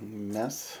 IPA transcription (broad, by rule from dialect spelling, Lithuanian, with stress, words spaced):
ˈmʲɛs